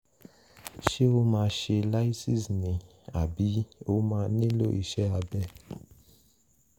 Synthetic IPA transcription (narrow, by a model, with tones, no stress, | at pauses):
ʃe˦o˦mã˧ʃe˧la˦i˦sĩ˦˨snĩ˨ | a˨bi˨˦o˦mãː˧nĩ˦lo̰˦˨ḭ˨ʃɛ˨˦a˧bɛ˦˨